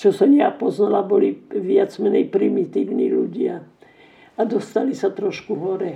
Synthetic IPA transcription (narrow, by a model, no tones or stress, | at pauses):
t͡ʃɔsaɲapɔznalabɔliʋɪad͡zmɛɲɛjpɾimit̪iːʋnḭːlṵɟɪa | ad̪ɔst̪alisat̪ɾɔʃkuɦɔɾɛ